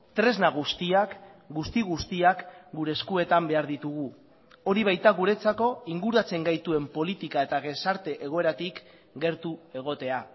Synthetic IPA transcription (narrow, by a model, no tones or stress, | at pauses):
t̪ɾe̞znaɣ̞ust̪iakɡust̪iɣust̪iakɡuɾe̞skue̞t̪ambe̞aɾðit̪uɣ̞u | o̞ɾiβ̞ajt̪aɣuɾe̞t͡sako̞iŋɡuɾat͡se̞ŋɡajt̪ue̞mpo̞lit̪ikae̞t̪aɣe̞saɾt̪e̞ʔeɣ̞o̞e̞ɾat̪ik | ɡe̞ɾt̪ue̞ɣ̞o̞t̪e̞a